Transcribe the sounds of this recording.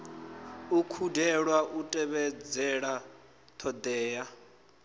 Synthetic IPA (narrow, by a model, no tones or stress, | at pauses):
ukʰudʱɛɺwaʔutʼɛβɛd͡zɛɺa | t̪ʰɔd̪ɛːja